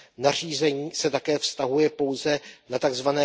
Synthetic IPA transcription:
nar̝iːzɛɲiːsɛt̪akɛːfst̪aɦujɛpo̞wzɛnat̪aɡzvanɛː

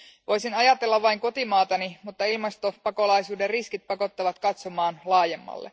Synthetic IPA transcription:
ʋo̞jsinɑjɑt̪elːɑʋʋɑiŋko̞t̪imɑːt̪ɑnimut̪ːɑilmɑst̪o̞pɑko̞lɑjsuːderriskit̪̚pɑko̞t̪ːɑʋɑt̪kɑt̪somɑːnlɑːje̞mːɑ̰lːe

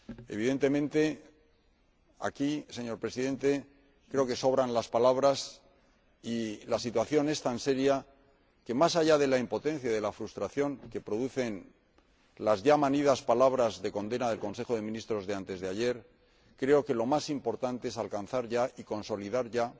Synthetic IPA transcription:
e̞̰β̞iðe̞nt̪e̞mẽ̞nt̪e̞ | a̰kise̞ɲo̞ɾpɾe̞siðe̞nt̪e̞ | kɾe̞o̞ke̞so̞βɾanlaspalaβ̞ɾas | ilasit̪waθjo̞ne̞st̪anse̞ɾja | ke̞masaʝaðe̞laimpo̞t̪ẽ̞n̟θjaðe̞lafɾust̪ɾaθjo̞ŋke̞pɾo̞ðuθe̞n | lazʝamanið̞aspalaβɾazðe̞ko̞nd̪e̞naðe̞lko̞nse̞xo̞ð̞e̞mĩnist̪ɾo̞zðe̞ant̪e̞zðeaʝe̞ɾ | kɾe̞o̞ke̞lo̞masimpo̞ɾt̪ant̪eesalkanθaɾʝaʔiko̞nso̞liðaɾʝa

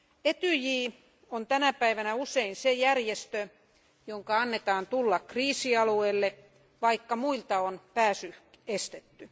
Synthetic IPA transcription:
et̪yjiː | ont̪ænæpæiʋænæuseinsejærjest̪ø | joŋkɑɑnːet̪ɑːnt̪ulːɑkːriːsiɑlueːlːe | ʋɑikːɑmuilt̪ɑonpæːsy | est̪et̪ːy

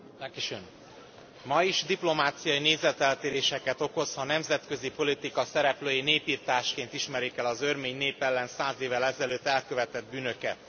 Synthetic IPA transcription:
akiʃøn | mɒiʒd̪iplo̞maːt̪sijɒineːzɛt̪ɛlt̪eːɾeːʃɛkɛt̪o̞ko̞zhɒnɛmzɛt̪kø̞zipo̞lit̪ikɒsɛɾɛpløːjeneːpiːrt̪aːʃkeːnt̪iʃmɛɾikɛlɒzørmeːɲneːpɛlːɛnsaːzeːvːɛlɛzɛløːt̪ːɛlkøvɛt̪ɛd̪̚byːnø̞kɛ̰t̪

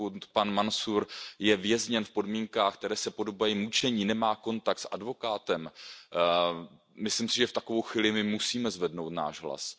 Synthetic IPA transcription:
ut̪panmansuɾjɛvjɛzɲɛnfpo̞dmiŋkaːxkt̪ɛɾɛːsɛpo̞do̞bajimut͡ʃɛɲiːnɛmaːko̞nt̪ak̚t̪sʔadvo̞kaːt̪ɛm | mɪslɪmsɪʒɛft̪ako̞vo̞wxviːlɪmɪmusiːmɛzvɛdnowt̪na̰ːʒɦla̰s

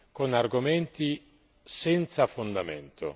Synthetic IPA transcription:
konarɡomɛnt̪i | sɛnt̪safond̪amɛ̰nt̪ʰo̰

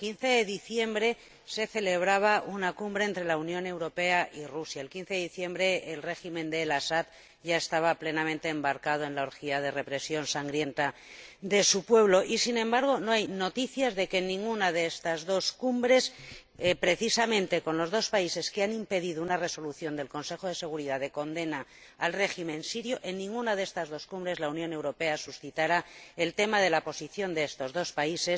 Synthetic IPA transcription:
kin̟θe̞ðeðiθje̞mbɾe̞ | se̞θe̞le̞βɾaβ̞aʔunakumbɾeeːnt̪ɾe̞launjõ̞ne̞wɾo̞pe̞aʔirusjaelkinθe̞ðeiθje̞mbɾe̞ːlre̞ximẽ̞nd̪e̞lasat̪ | ʝae̞st̪aβ̞aple̞namẽnt̪e̞ːmbaɾkað̞oe̞nlaoɾxiað̞e̞re̞pɾe̞sjo̞nsaŋɡɾje̞nt̪ad̪e̞supwe̞β̞lo̞ʔisinẽmbaɾɣ̞o̞no̞ajnot̪iθjazðe̞kenːĩŋɡunaðe̞est̪azðo̞skumbɾe̞s | epɾe̞θisamẽ̞nt̪e̞ko̞nlo̞zðo̞spaise̞skeanĩmpe̞ðiðounare̞so̞luθjo̞nd̪e̞lko̞nse̞xo̞ð̞e̞se̞ɣ̞uɾiðaðe̞ko̞nd̪e̞naː | lre̞ximẽnsiɾjo̞ʔenːĩŋɡunaðeest̪azðo̞skumbɾe̞zlaunjone̞wɾo̞pe̞asusθit̪aɾae̞lt̪e̞mað̞e̞lapo̞siθjo̞nd̪e̞est̪o̞zðo̞spaise̞s

